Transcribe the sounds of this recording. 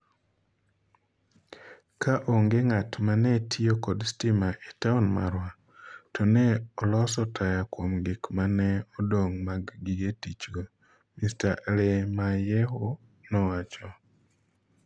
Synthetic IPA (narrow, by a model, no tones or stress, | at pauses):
kaʔoŋɡeŋatmanɛtʰiokɔdstimaʔetaunma̰ɾwa | tʰɔnɛɔlɔsɔtʰajakwomɡɪkmanɛɔdoŋmaɡɡiɡetit͡ʃɡo | mistaɾemajɛɦo | nɔwat͡ʃɔ